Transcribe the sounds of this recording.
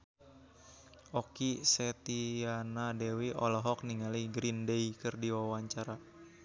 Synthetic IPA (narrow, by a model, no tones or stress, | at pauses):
ʔɔkisɛt̪ianadɛwiʔɔlɔɦɔk̚niŋaliɡɾindeikɨrdiwawaɲt͡ʃaɾa